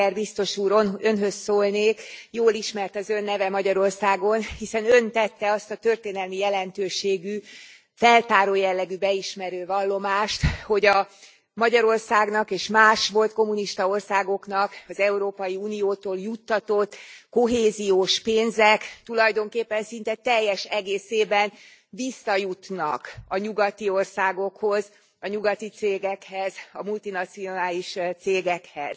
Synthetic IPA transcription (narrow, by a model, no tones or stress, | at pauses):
ɛrbist̪o̞ʃuːɾønɦøsːoːlneːkjoːliʃmɛrt̪ɒzø̞nːɛvɛmɒɟɒɾo̞rsaːɡo̞nhisɛnø̞nt̪ɛt̪ːɛɒst̪ɒt̪ø̞rt̪eːnɛlmijɛlɛnt̪øːʃeːɡy | fɛlt̪aːɾoːjɛlːɛɡybɛiʃmɛɾøːvɒlːo̞maːʃt̪ho̞ɟɒ | mɒɟɒɾo̞rsaːɡnɒkeːʃmaːʃʋo̞lt̪ko̞mːuniʃt̪ɒo̞rsaːɡo̞knɒkɒzɛuɾoːpɒjiuːnijoːt̪oːljut̪ːɒt̪o̞t̪ːkoɦeːzijoːʃpeːnzɛkt̪ulɒjd̪o̞ŋkeːpːɛnsint̪ɛt̪ɛjːɛʃɛɡeːseːbɛn | visːɒjut̪nɒ̰kɒɲuɡɒt̪io̞rsaːɡo̞kho̞z | ɒɲuɡɒt̪it̪seːɡɛkhɛzɒmult̪inɒt̪sio̞naːliʃt̪seːɡɛkhɛ̰z̥